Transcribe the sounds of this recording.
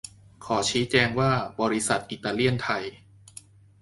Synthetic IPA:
kʰɔː˩˦t͡ɕʰiː˦˥t͡ɕɛː˧ŋwaː˥˩bɔː˧ɾi˦˥sa˨˩t̪̚ʔi˨˩t̪ːaː˧li˥˩ənt̪ʰa˧j

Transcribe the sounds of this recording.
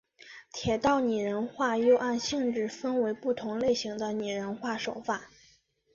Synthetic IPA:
t̪ʰjɛ˨˩t̪ɑ˥˩ʊni˨˩ɻə˧˥nxwa˥˧jo˥˧ʊʔa˥˧nɕi˥˧ŋʈ͡ʂɻ̩˥˩fə˥nwe˧˥ɪpu˥˩t̪ʰʊ˧˥ŋle˥˩ɪɕi˧˥ŋd̪ə˧ny˨˩ɻə˧˥nxwa˥˩ʂo˨˩ʊfa˥˩

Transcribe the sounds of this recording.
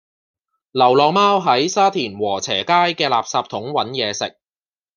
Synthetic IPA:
lɐ˨˩wlɔː˨maː˥wɦɐ˨˥jsaː˥t̪ʰiː˨˩nwɔː˨˩t͡sʰɛː˨˩kaː˥jkɛː˧la̰ː˨p̚saː˧p̚t̪ʰʊ˨˥ŋwɐ˨˥njɛː˨˧sɪ˨k̚

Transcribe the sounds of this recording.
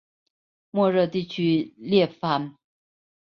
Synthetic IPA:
mwɔ˥˧ɻɤ˥˧t̪i˥˩t͡ɕʰy˥ljɛ˥˩fa˧˥n

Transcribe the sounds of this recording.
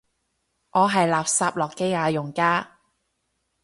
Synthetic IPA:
ʔɔː˨˧ɦɐ˨jlaː˨p̚saː˧p̚lɔː˨˩kːe˥jŋaː˨˧jʊ˨˩ŋkaː˥

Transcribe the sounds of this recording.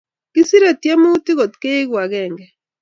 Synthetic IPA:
kɪ˦si˦ɾe˨tje˦mu˦ti˦ɣɔ˨tke˦ɣwa˨ɣɛ˨ŋɡɛ˨

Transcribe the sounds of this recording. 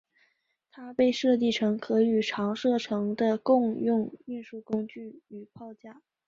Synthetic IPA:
t̪ʰa˥pe˥˧ɪʂɤ˥˧t̪̬i˥˩ʈ͡ʂʰɤ˧˥ŋkʰɤ˧˥y˨˩ʈ͡ʂʰɑ˧˥ŋʂɤ˥˩ʈ͡ʂʰɤ˧˥ŋd̪ə˧kʊ˥˧ŋjʊ˥˧ŋy˥˧nʂu˥˩kʊ˥ŋt͡ɕy˥˩y˨˩pʰɑ˥˧ʊt͡ɕja˥˩

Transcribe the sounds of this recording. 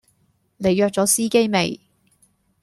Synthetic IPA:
ne˨˧jːœː˨k̚t͡sɔː˨˥siː˥ke˥jme˨j

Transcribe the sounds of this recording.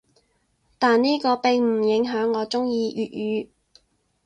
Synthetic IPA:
t̪aː˨nniː˥kɔː˧pɪ˨ŋm̩˨˩jɪ˨˥ŋɦœː˨˥ŋːɔː˨˧t͡sʊ˥ŋjiː˧ʔyː˨t̚jyː˨˧˥

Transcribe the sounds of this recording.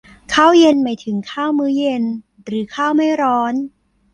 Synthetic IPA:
kʰaː˥˩wje˧nmaː˧˥jt̪ʰɯ˩˦ŋkʰaː˥˩wmɯː˨˦˥je˧n | ɾɯː˩˦kʰaː˥˩wma˥˩jɾɔː˦˥n

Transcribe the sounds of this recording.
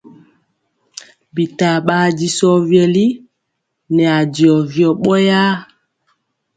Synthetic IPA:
bi˨ta˨ɓaː˦di˨sɔ˦vjɛ˨li˦ | nɛ˨a˨di˨ɔ˨vjɔ˨ɓɔ˦ja˦

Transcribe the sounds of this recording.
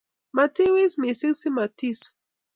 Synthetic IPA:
ma˨ti˦wi˦smi˨si˦ksi˦ma˨ti˦s

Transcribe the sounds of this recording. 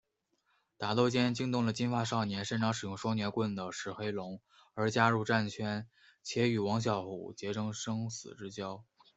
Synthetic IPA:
t̪a˨˩t̪o˥˧ʊt͡ɕjɛ˥nt͡ɕi˥ŋt̪ʊ˥˩ŋlə˩t͡ɕi˥nfa˥˧ʂɑ˥˩ʊnjɛ˧˥nʂə˥nʈ͡ʂɑ˧˥ŋʂɻ̩˨˩jʊ˥˧ŋʂwɔ˥njɛ˧˥nkwə˥˩nd̪ə˩ʂɻ̩˧˨˩xe˧˥ɪlʊ˧˥ŋ | ə˞˧˥t͡ɕja˥ɻu˥˧ʈ͡ʂa˥˩nt͡ɕʰɥɛ˥n | t͡ɕʰjɛ˧˥y˨˩wɑ˧˥ŋɕ̬jɑ˨˩ʊxṵ˨˩t͡ɕjɛ˧˥ʈ͡ʂɤ˥ŋʂɤ˥ŋsɹ̩˨˩ʈ͡ʂɻ̩˥t͡ɕjɑ˥ʊ

